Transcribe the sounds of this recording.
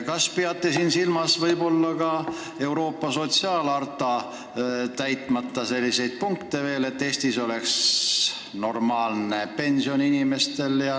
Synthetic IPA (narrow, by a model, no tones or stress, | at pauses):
kɑspiɑt̪ːˑesiːnsilmɑsvɤjbo̞lːɑkɑ | e̞wɾo̞ːpːɑso̞t̪siɑːlɑrt̪ˑɑ | t̪æjt̪ˑmɑt̪ːɑse̞lʲːise̞jd̪̥̚puŋkt̪e̞ve̞ːle̞t̪ːe̞ːst̪iso̞le̞ks | no̞rmɑːlne̞pe̞nʲsio̞ninime̞st̪e̞ljɑ